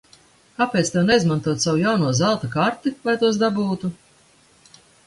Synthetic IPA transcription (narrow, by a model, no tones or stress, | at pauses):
kapeːt̪st̪ɛwnɛizmant̪uɔt̪sawujawnuɔzalˠt̪akaɾt̪ivajt̪uɔs̬d̪abuːt̪u